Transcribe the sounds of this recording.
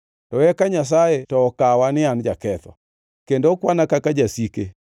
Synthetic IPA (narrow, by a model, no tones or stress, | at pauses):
tɔɛkaɲas̬aetɔːkawanɪand͡ʒakɛθɔ̰ | kendokwanakakad͡ʒasike